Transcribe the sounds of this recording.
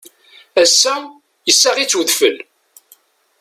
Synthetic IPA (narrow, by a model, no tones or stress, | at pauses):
æsːæ | jəsːaʁit͡sːwəðfə̰l